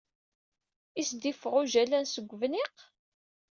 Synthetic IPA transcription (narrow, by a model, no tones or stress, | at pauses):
isd̪ifəʁʊʒælænsəɡʷːvniq